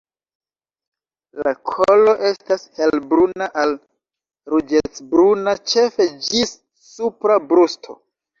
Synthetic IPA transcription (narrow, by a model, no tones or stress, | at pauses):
lakʰolo̞ʔe̞stashelbɾunaʔal | ɾud͡ʒet͡sbɾunat͡ʃe̞fe̞d͡ʒisː | upɾabɾustʰo̞̰